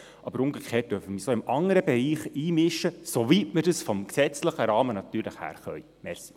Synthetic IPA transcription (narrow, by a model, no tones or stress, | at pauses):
ʔɑb̥əɾʊŋɡekχeːt̚d̥œfəməsoɪmɑŋəɾəbɛɾiːχiːmɪʃːəsovitmədəsfɔmksɛt͡sləχəɾɑːmənɑtyːɾləχhæ̰ːɾχœ̰ʏ | mɛrsi̥